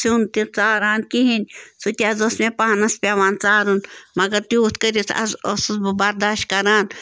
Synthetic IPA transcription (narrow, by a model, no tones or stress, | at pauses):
sunt̪iɾt͡saːɾaːnkiɦinʲsut̪ʲiɐzosmẽpaːnɐspʲaʋaːnt͡saːɾunmɐɡɐɾt̪iuːt̪ʰkɐɾʲit̪ʰɐ̰zosbɐɾd̪aːʃt̪kɐɾaːn